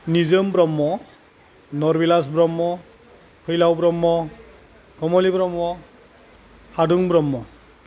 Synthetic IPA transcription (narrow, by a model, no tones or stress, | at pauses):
nizɯmbɾɔmːɔ | nɔɾbilas̬bɾɔmːɔ | kʰɯjlawbɾɔmːɔ | ɡʰɔmɔlibɾɔmːɔ | haduŋbɾɔmːɔ